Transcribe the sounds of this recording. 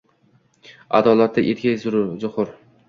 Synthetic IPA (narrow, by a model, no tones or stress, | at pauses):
a̰d̪ɒːlat̪̚ːaʔet̪̚ɡʲajzʊɾzʊqʊɾ